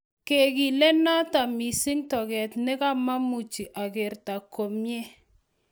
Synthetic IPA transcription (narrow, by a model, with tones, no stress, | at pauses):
ke˨ki˨lɛ˦na˦ta˨mi˨si˦ŋtɔ˨kɛ˨tnɪ˦ka˦ma˦mu˨t͡ʃi˨ʔa˨kɪ˨ɾta˨ko˨mje˦